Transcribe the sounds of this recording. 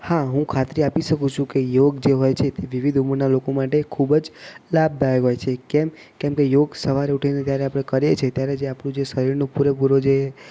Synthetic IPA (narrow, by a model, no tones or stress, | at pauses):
haɦũkʰat̪ɾiapiʃəkũt͡ʃʰũkejoɡd͡ʒeɦojt͡ʃʰet̪eʋiʋid̪ʱuməɾnalokomaʈekʰubd͡ʒlab̚d̪ʱajeɦojt͡ʃʰekɛm | kɛmkejoɡsəʋaɾeuʈʰinet̪jaɾeapɽ̃ekəɾjet͡ʃʰet̪jaɾed͡ʒeapɳũd͡ʒesəɾiɾnõpuɾepuɾod͡ʒe